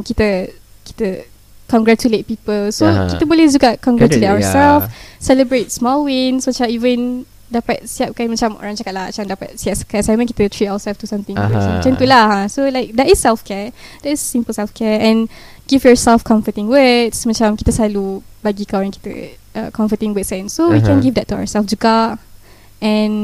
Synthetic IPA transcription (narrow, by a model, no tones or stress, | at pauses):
mkit̪ə | ki̥t̪ə | kɔ̃ŋɡɹatulet̪̚pipəlsokit̪əbolɛhd͡ʒuɡakɔ̃ŋɡatuletawəsɛlfsɛləbɹet̚smɔlwĩnsmat͡ʃaivə̃n | dapat̪̚siap̚kamãt͡ʃamʔɔ̰ɹãŋt͡ʃakat̪̚laa̰t͡ʃamdapa̰t̚siap̚sə̥kɛsamãŋki̥t̪ət̪ʰɹitawəsɛlft̪usãmt̪ĩŋɡusmãt͡ʃãmnt̪ulaasolaɪk̚dɛtisɛlfkɛdɛtisːĩmpəlsɛlfkɛɛ̃nɡifjɔsɛlfkʰɔ̃ɱfətĩŋwətsmãt͡ʃãmkit̪əsalubaɡikawɛ̃nki̥t̪ə̰ʔə̰kʰɔ̃ɱfət̪ĩŋwətsɛ̃nsowikɛ̃nɡivdɛt̚ːua̰wəsɛlfd͡ʒuɡaʔ | ʔɛ̃n